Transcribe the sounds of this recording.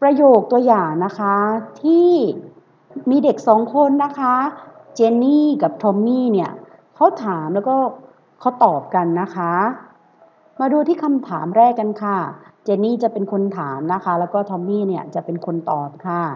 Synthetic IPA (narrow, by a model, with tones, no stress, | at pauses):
pɾa˧joː˨˩k̚t̪u˧ɐjaː˨˩ŋna˦˥kʰa˦˥t̪ʰiː˥˩ | miː˧de˨˩k̚sɔː˩˦ŋkʰo˧nːa˦˥kʰa˦˥ | t͡ɕeː˧niː˥˩ka˨˩p̚t̪ʰɔ˧mːiː˥˩ni˥˩ɐ | kʰa˦˥wt̪ʰaː˩˦mlɛː˦˥wkɔː˥˩ | kʰa˦˥wt̪ɔː˨˩p̚ka˧nːa˦˥kʰa˦˥ | maː˧duː˧t̪ʰiː˥˩kʰa˧mt̪ʰaː˩˦mɾɛː˥˩kːa˧nkʰa˥˩t͡ɕeː˧niː˥˩t͡ɕa˨˩pe˧nkʰo˧nt̪ʰaː˩˦mna˦˥kʰa˦˥lɛː˦˥wkɔː˥˩t̪ʰɔ˧mːiː˥˩ni˦˥˩ɐt͡ɕa˨˩pe˧nkʰo˧nt̪ɔː˨˩t̪̚kʰa˥˩